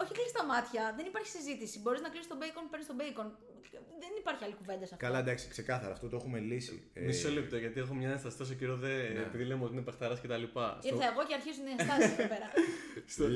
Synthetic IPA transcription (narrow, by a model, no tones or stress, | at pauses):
o̞çiklist̪ɐmɐt̪çɐðenipɐɾçi̥sizit̪isibo̞ɾiznɐklist̪obejkonpeɾnist̪o̞bejkon | ðenipɐɾçiɐlikuve̞nd̪ɐsɐfkɐlɐd̪ɐksi̥kse̞kɐθɐɾɐft̪ot̪oe̞xume̞lisḭmissolept̪oʝɐt̪iexomɲɐest̪ɐst̪ɐs̬ociɾoðeːpiðilemeot̪inepext̪ɐɾɐscet̪ɐlipɐsiɾoθɐeɣo̞ceɐɾçizuneɐst̪ɐseðipeɾɐs